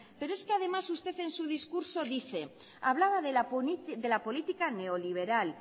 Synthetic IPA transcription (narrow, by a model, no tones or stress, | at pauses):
pe̞ɾoeskeað̞e̞masust̪e̞θe̞nsuð̞iskuɾso̞ðiθe̞ | aβlaβaðeðelapo̞lit̪ikane̞oliβ̞e̞ɾal